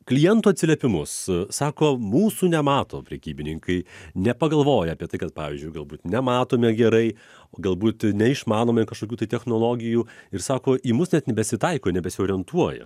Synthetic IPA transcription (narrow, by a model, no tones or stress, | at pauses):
klʲɪjɛnt̪uːɐt̪sʲɪlʲɛpʲɪmʊssɑːkoːmuːsuːnʲɛmɑːt̪oːpʲɾʲɛkʲiːbʲɪnʲɪŋkɐɪnʲɛpɐɡɐlˠʋoːjɛɑːpʲiɛt̪ɐɪkɐt̪̚pɑːʋʲiːzʲd͡ʒʲʊɪɡɐlˠbuːt̪nʲɛmɑːt̪oːmʲɛɡʲɛɾɐɪ | oːɡɐlˠbuːt̪nʲɛɪʃmɑːnoːmʲɐɪkɐʃkoːkʲuːt̪ɐɪt̪ʲɛxnolˠoːɡʲɪjuːɪɾsɑːkoːʔiːmʊsnʲɛt̪nʲɛbʲɛsʲɪt̪ɐɪkoːnʲɛbʲɛsʲɪoːɾʲɪɛnt̪uɔjɛ̰